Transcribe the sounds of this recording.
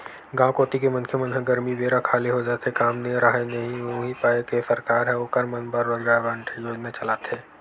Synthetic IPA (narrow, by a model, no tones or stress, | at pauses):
ɡãːkoːt̪ikemɐnkʰjəmənɦə̃ɡɐɾmiʋeːɾakʰaːliɦod͡ʒaːt̪ekaːmneɾaɦenɐɦĩuɦĩpaːekesɐɾkaːɾɦɛ̃ʊkəɾmɐnbəɾʋɐɾɡaːʋãːɳʈʰejoːd͡ʒnat͡ʃɐlaːt̪ɦeː